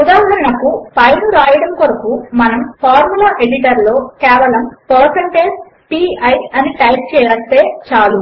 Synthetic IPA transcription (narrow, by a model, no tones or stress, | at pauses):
ud̪aːɦɐɾinɐkupɐjnuɾaːjɐɽɐmkoɾɐkumɐnɐmpʰaːɾmulaːʔeɽiʈ̬ɐɾlo̞ːkɛːʋɐlɐmpɐːɾsɐɳʈeːs | piːɐjɐniʈaːk̚t͡ʃɛːjaːst̪e̞ːt͡ʃaːlu